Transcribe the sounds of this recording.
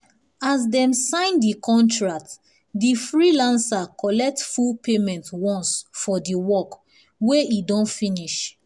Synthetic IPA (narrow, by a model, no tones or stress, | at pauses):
azdɛ̃msãɪ̃ndikʰɔ̃ntɹak̚t | difɹilãnsakɔlɛk̚tfulpʰemɛ̃ntwɔ̃nsfɔdiwɔk | weidɔ̃nfĩniʃ